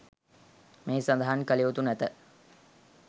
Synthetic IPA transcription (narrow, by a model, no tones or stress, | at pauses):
meːsand̪aɦankəliʋut̪unæt̪ə